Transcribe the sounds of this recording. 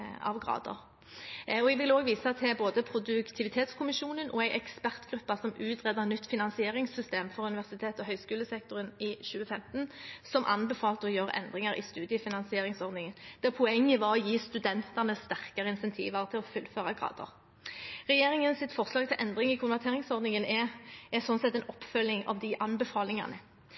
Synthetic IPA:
ɑ̰ʋɡʁɑ̰ːd̪ə̰ʁ | ɔɛɡʋɪloːɡʋiːsɑt̪̚d̪ɛboːd̪əpʰɾʊd̪ʉkt̪ʰɪʋɪt̪ʰeːt̪skʰʊmɪʃuːnənʔɔæɪʔɛkspæʁt̪ɡ̥ɾʉpːɑsɔmʉːt̪ʁɛd̪əʁnʏt̪ːfɪnɑnsɪeːʁɪŋsʏst̪eːmfɔʁʉnɪʋæʁsɪt̪ʰeːt̪ɔɦœʏskʉːləsɛk̚t̪ʊʁənɪʃʉːəfɛmt̪nsɔmʔɑ̰nbɛfɑːlt̪əɔjøːʁʔɛ̰nd̪ʁɪŋəɾɪ̰st̪ʉːd̪jəfɪnɑnsɪeːʁɪŋsɔʁd̪nɪŋənd̪̥ɛʁpʰɔɛŋːəʋɑʁɔjiːst̪ʉd̪ɛnt̪əʁnəst̪æʁkɑʁəɪnsɛnt̪ʰḭːʋɑʁt̪ʰɪlɔfʉlføːʁɑɡʁɑ̰ːd̪ə̰ʁ | ʁɛjeːʁɪŋənsɪt̪fɔʁslɑːɡ̚t̪ʰɪlʔɛnd̪ʁɪŋɪkʰʊnʋæʁt̪ʰeːʁɪŋsɔʁd̪nɪŋənɛsɔnsɛt̪ːɛnɔpːfœlːɪŋɑ̰ʋd̪ɪʔɑnbəfɑːlɪŋɑ̰ʁnə

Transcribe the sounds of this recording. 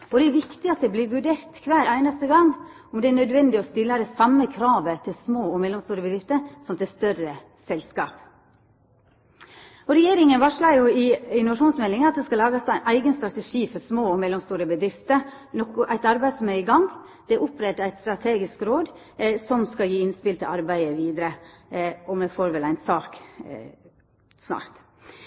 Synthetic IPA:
ɔd̪ɛɛɾʋɪkt̪ɪɑt̪̚d̪ɛbliːɾʋʉɖeːɾt̪kʰʋæːɾʔæɪnəst̪əɡɑŋ | ɔmd̪ɛæɳnœd̪ʋɛnd̪ɪɔst̪ɪlːəd̪ɛsɑmːəkʰɾɑːʋət̪ʰɪlsmoːɔmɛlːɔmst̪uːɾəbəd̪ɾɪft̪əɾsɔmt̪ʰɪst̪œrə | sɛlskɑːp | ɔɾɛjeːɾɪŋənʋɑʂɭɑjʊɪɪnʊʋɑʂuːnsmɛlːɪŋəɑt̪̚d̪ɛskɑlɑːɡəsæɪnʔæɪɡənst̪ɾɑt̪ɛʂiːfɔɾsmoːɔmɛlːɔmst̪uːɾəbəd̪ɾɪft̪əɾ | nɔkːʊʔæɪt̪ɑɾbæɪd̪sɔmɛɪɡɑŋ | d̪̥ɛʔʊpɾɛt̪ːəæɪst̪ɾɑt̪ʰeːɡɪskɾoːd̪ | sɔmskɑjiːɪnspɪlt̪ʰɪlɑɾbæɪəʋiːd̪ɾə | ɔmɛfoːɾʋɛlæɪnsɑːk | snɑ̰ːɾt̪

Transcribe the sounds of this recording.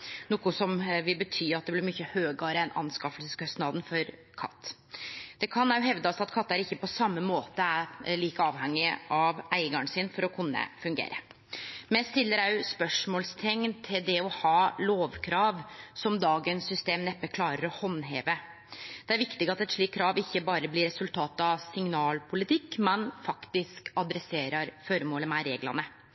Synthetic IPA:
nuːkʊsɔmʋɪlbət̪ʰyːɑt̪̚d̪ɛblɪɾmʏçːəhøːɡəɾəɛnʔɑ̰nskɑfəlsəskʰœst̪nɑd̪nfɔɾ | kʰɑ̰t̪ː | d̪̥ɛkʰɑnjʊɦɛʋd̪ɔsɑt̪kʰɑt̪ːæɾɪçːəpɔsɑmːəmoːt̪əæɭiːkəɑːʋhɛŋːɪʔɑʋæɪɡɑɳsɪnfɔɾɔkʰʊnːə̰fʉŋɡḛːɾə | mɛst̪ɪlːəɾæʉspœʂmɔːlst̪ʰɛŋnt̪ʰɪld̪ɛɔhɑːloːʋkʰɾɑːʋsɔmd̪ɑːɡənsːʏst̪eːmnɛpːəkʰlɑːɾəɾɔhɔnːɦḛːʋə | d̪̥ɛæɾʋɪkt̪ɪɡɑt̪ɛt̪ʂɭiːkʰːɾɑːʋɪçːəbɑːɾəblɪɾɛsʉlt̪ʰɑːt̪ɑʋsɪŋnɑːlpʰʊlɪt̪ʰɪkːmɛnfɑkt̪ɪskɑd̪ɾɛseːɾəɾføɾəmoːləmæɾeːɡlɑ̰nə

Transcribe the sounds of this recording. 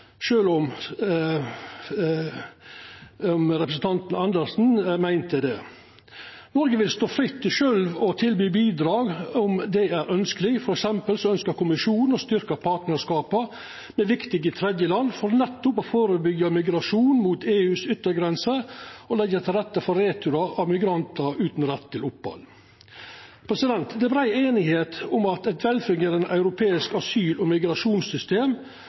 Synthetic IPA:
ʃøːlɔm | ɔmɾɛpɾəsn̩t̪ʰɑnt̪nɑnd̪əɾsn̩mæɪnt̪əd̪ɛ | nɔɾɡəʋɪlst̪oːfɾɪt̪ːɪʃœlʋɔt̪ʰɪlbyːbiːd̪ɾɑːɡɔmd̪ɛæɾœnskəlɪɡfɔɾɛksɛmpəlsɔœnskəɾkʰʊmɪʂuːnn̩ɔst̪ʏɾkəɾpʰɑʈnəskɑːpɑ | mɛʋɪkt̪ɪɡɪt̪ʰɾɛd̪jəlɑnːfɔɾnɛt̪ːʊpofoːɾəbʏɡːɑmɪɡɾɑʂuːnmuːt̪eːʉːsʏt̪ːəɾɡɾɛnsəɔlɛɡːət̪ʰɪlɾɛt̪ːəfɔɾeːt̪ʰʉɾɑʔɑʋmɪɡɾɑnt̪əɾʉːt̪n̩ɾɛt̪ʰːɪlʊphɑ̰l | pʰɾɛsɪd̪ɛnt̪d̪ɛbɾæɪeːnɪheːt̪ʊmɑt̪ɛt̪ʰʋɛlfɪŋəɾənʔɑʉɾʊpʰeːɪskɑsyːlɔmɪɡɾɑʂuːnsʏst̪eːm

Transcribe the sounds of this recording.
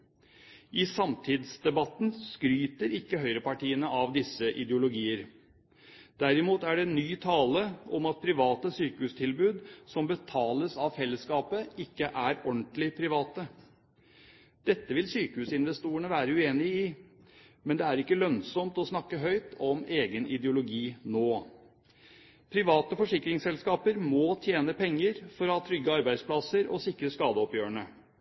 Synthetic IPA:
ʔɪsɑmt̪ʰɪd̪sd̪ɛbɑt̪n̩skɾyːt̪əɾɪkːəɦœʏɾəpɑʈiːənəʔɑʋd̪ɪsəʔɪd̪jʊlʊɡiːəɾ | d̪̥æɾɪmuːt̪æɖɛnyːt̪ʰɑːləɔmɑt̪̚pʰɾɪʋɑːt̪əsyːkəhʉːst̪ʰɪlbʉːd̪sɔmbət̪ʰɑːləsɑʋfɛlːəskɑːpəɪkːəʔæɾɔɳt̪lɪpʰɾɪʋɑːt̪ə | d̪̥ɛt̪ːəʋɪlsyːkəhʉːsɪnʋɛst̪uːəɳəʋæːɾəʉeːnɪɪ | mɛnd̪ɛæɾɪkːəlœnsɔmt̪ɔsnɑkːəɦœʏt̪ʰɔmeːɡənʔɪd̪jʊlʊɡiːnoː | pʰɾɪʋɑːt̪əfɔʂɪkːɾɪŋsɛlskɑːpəɾmoːt̪ʰjeːnəpʰɛŋːəɾfɔɾɔhɑːt̪ʰɾʏɡːəɑɾbæɪspʰlɑsəɾɔ̰sɪkːɾəskɑːd̪əɔpjøːəɳə

